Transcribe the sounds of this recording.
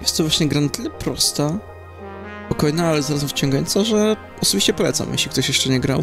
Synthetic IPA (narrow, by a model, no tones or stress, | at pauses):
jɛst̪ːɔvwaɕɲɛɡɾanat̪ɘlɛpɾɔst̪a | pɔkɔjnaalɛzaɾazɛmft͡ɕɔ̃ŋɡajɔ̰nt̪saʐɛ | ɔsɔbʲiɕt͡ɕɛpɔlɛt̪sa̰mjḛɕlʲikt̪ɔɕjɛʂt͡ʂɛɲɛɡɾa